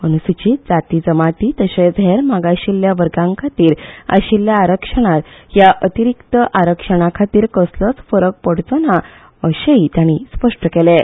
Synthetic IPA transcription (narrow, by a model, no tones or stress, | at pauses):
ənusit͡ɕit̪d͡zat̪iːd͡zəmat̪it̪əɕed͡zʱeɾmaɡaɕilːjaʋəɾɡãŋkʰat̪iːɾa̰ɕiljaːɾəkʂəɽ̃at̪jaʔət̪iɾikt̪əʔaɾəkʂəɽ̃akʰat̪iːɾkəslət͡sfəɾək̚pəɽ̤t͡səna | əɕeit̪jaɽ̃ispəʂʈəkɛle